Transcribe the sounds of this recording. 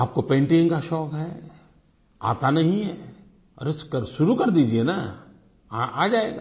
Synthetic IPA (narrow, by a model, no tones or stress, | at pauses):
aːp̚kopẽːɳʈɪ̃ŋkaʃɔːkɦɛː | a̰ːt̪anɐɦĩɦɛː | ɔ̰ɾeskɐɾʃʊɾukɐɾd̪iːd͡ʒiena | ʔaːd͡ʒaːeːɡaː